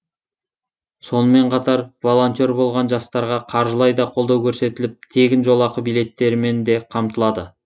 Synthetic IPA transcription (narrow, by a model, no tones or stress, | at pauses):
so̞nəme̞ɴqʰɑt̪ɑɾvo̞lˠo̞nt̪ie̞ɾbo̞lˠʁɑnʒɑst̪ɑɾʁɑqʰɑɾʒəlˠɑjd̪ɑqʰo̞lˠd̪ɑwkʲʰɵɾse̞t̪ɪlɪp̚t̪ʰe̞ɡʲɪnʒo̞lˠɑqəbijle̞t̪ːe̞ɾɪme̞nd̪e̞qʰɑmt̪əlˠɑd̪ə